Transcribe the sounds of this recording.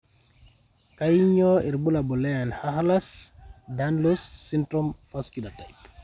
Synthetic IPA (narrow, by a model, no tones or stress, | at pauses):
kajɲɔiɾbulabɔlɛjanhaɦlasdanlosːintɾɔmfaskidataj